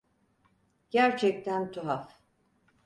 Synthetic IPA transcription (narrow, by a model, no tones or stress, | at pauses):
ɟ̥æɾt͡ʃʰɛc̚t̪ʰænt̪ʰuɦaf